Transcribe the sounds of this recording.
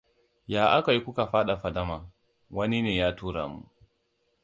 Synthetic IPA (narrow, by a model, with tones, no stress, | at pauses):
jaː˨ʔa˦ka˨ji˦kʷu˦ka˨ɸaː˦ɗa˨ɸa˨da˦maː˨ | wɐ˦ni˦neː˨jaː˦tuː˦ɾa̰ː˨mṵ˦